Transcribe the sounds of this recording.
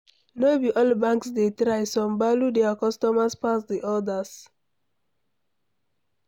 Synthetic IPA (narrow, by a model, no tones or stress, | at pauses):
nobiʔɔlbãŋksdetɾajsɔ̃mbaludɛakɔstɔmaspasdiʔɔdas